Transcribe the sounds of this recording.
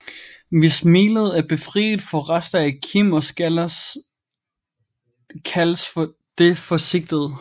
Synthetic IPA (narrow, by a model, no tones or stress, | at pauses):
ʋe̝smiːləð̞̩ˠæɐb̥e̝fʁḭːd̥̩ˠfɒ̽ʁasd̥ɐækʰimɒ̽sɡ̥ælɐs | kʰæləsfɒ | d̥e̝fɒ̽se̝ɡ̥̚d̥əð̩ˠ